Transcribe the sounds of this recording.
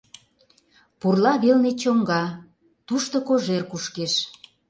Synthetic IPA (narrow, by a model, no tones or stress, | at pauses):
purlɑβelnet͡ɕomɡɑ | t̪uʃt̪okoʒerkuʃkeʃ